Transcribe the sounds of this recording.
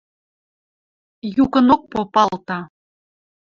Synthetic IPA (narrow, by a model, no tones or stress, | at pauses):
jukənok̚popɑlt̪ɑ